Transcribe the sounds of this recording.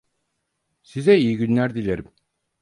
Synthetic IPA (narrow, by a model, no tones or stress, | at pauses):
sizɛijiɡynlʲæɾd̪ilʲeɾim